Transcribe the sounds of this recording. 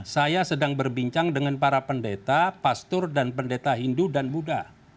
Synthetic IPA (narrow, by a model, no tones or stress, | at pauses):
sajasədaŋbərbiɲt͡ʃaŋdəŋanpaɾapəndet̪apast̪ʊrdanpəndet̪aɦindudanbuda